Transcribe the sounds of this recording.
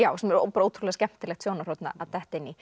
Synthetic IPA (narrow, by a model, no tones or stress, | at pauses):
jaːwsɛmɛɾo̰paɾaoːt̪ʰɾulɛɣscɛm̥t̪ɪlɛxt̪sjoːwnaɾ̥ot̪na̰ʔaðt̪ɛht̪ejnːi